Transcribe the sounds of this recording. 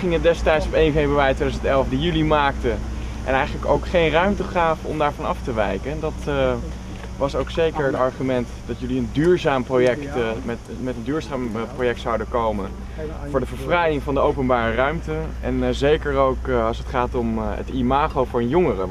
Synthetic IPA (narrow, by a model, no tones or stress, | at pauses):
χɪŋət̚dɛstɛjtsɔpejnvejbryaːjtʋejdzəntɛlˠfdijylimaːk̚tə | ʔɛ̰nɛjχələko̰wkχejnrœɥmtəχaːfəɔ̰mdaːɹvɑnɑftəʋɛjkəndɑt | ʋɑsowksejkəɹətɑɹχymɛntdɑtjɵliəndyːɹzaːmprojɛktmɛt | mɛtəndyːɹzaːmprojɛk̚tsawdəkowmən | fʊːɹdəvəɹvrɛjɪŋvɑndəowpənbaːrərœɥmtəʔɛ̰nzejkəɹowkɑlˠsətχaːtɔmə̰timaːχowvʊːɹənjʊŋərə